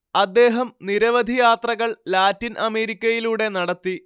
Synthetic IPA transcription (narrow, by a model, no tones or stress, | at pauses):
ɐd̪ːe̞ːɦɐmniɾɐʋɐd̪ʱijaːt̪rɐɣɐɭlaːtːinʔɐme̞ːɾikʲːɐjiluːɽe̞nɐɽɐt̪ːi